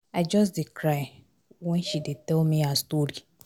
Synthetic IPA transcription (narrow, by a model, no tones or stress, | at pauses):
aɪd͡ʒɔs̬dekɾaɪ | wɛ̃nʃidetɛlmiastoɾi